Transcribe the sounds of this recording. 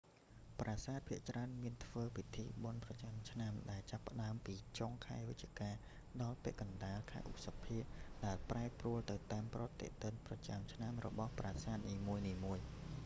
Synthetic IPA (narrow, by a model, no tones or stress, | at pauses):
praːsaːt̪̚pʰiəʔt͡ɕraənmiənt̪ʰʋəːpit̪ʰiːɓonprɑt͡ɕamt͡ɕʰnamɗaɛlt͡ɕapːə̆ɗaəmpiːt͡ɕoŋkʰaɛʋɨt̪̚t͡ɕiəkaː | ɗɑlpɛ̆əʔkɑnɗaːlkʰa̰ɛʔut̪̚sapʰiəʔɗaɛlpraɛpruəlt̪ɨwt̪aːmprŏət̪ːɛ̰ʔt̪ɨnprɑt͡ɕamt͡ɕʰnamrɔ̰ɓɑhpraːsaːt̪̚niːmuəjniːmuəj